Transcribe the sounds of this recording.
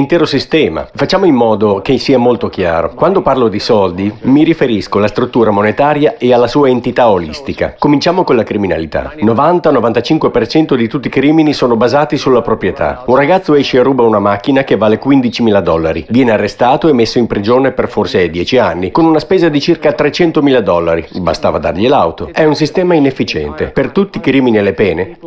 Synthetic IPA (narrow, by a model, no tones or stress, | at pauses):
int̪ɛːɾosist̪ɛːma̰fat͡ʃːaːmoimːɔːd̪okesiːamolt̪ok̟ja̰ːɾo̰kwand̪oparlod̪isɔld̪imiɾifeɾiskoalast̪ɾut̪ːuːɾamonet̪aːɾjaʔealːasuːaent̪it̪aolḭst̪ika̰komint͡ʃaːmokonlakɾimina̰lit̪a̰novant̪anovant̪at͡ʃiŋkwepert͡ʃɛnt̪od̪it̪ut̪ːikɾiːminisoːnobazaːt̪isulːapɾopɾjet̪a̰unraɡat̪sːoɛʃːeːruːbaunamakːinak̟evːaːlekwind̪it͡ʃimiːlad̪ɔlːa̰ɾḭvjɛːnearːest̪aːt̪oemːesːoimpɾid͡ʒoːneperforsed̪jɛːt͡ʃianːikonunaspeːzad̪it͡ʃirkat̪ɾet͡ʃɛnt̪omiːlad̪ɔlːaɾiba̰st̪a̰ːvad̪a̰rʎila̰wt̪oɛunsist̪ɛːmainefːit͡ʃɛ̰nt̪ḛpert̪ut̪ːikɾiːminielepɛːne